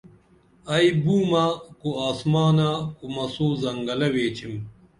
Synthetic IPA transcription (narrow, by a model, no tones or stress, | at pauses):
ɐibuːmakuaːsmaːnakumɐsuːzɐŋɡɐlɐweːt͡ɕʰim